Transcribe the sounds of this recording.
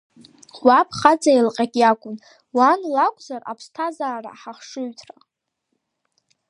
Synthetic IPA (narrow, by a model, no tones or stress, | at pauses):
wapʰʼχad͡zʼajlqʼakʲʼjakʷʼʊn | wanlakʷʼzara̰pʰstʰazaːra̰ħaχʂɨɥtʰra